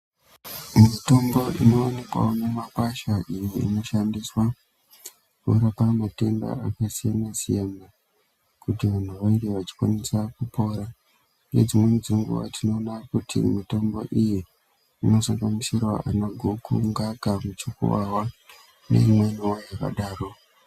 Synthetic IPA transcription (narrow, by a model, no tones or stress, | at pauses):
mito̞mbo̞ʔino̞wanikwa̰onemapaʃaʔijiḭno̞ʃandiswa | kṵɾapamate̞nda̰akasijanasijana | kutiʋan̤uʋaindeʋat͡ʃi̥kwa̰nesakupo̞ːɾa | nḛd͡zimwe̞nid͡ziiŋɡṵʋa̰tʰino̞ːnakutʰḭmito̞mbo̞̰ʔiji | ino̞saŋɡamisirwaʔanoɡʱokuŋɡakamut͡ʃikṵʋawa | ne̞̰imwe̞niwojaka̰ɗaːro̞